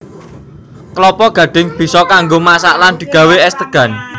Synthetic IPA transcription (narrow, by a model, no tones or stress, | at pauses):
kəlɔpɔɡ̥ä̤ɖ̪̥ɪ̤ŋb̥i̤sɔkaŋɡomasaʔland̪̥i̤ɡ̥ä̤weɛst̪əɡ̥ä̤n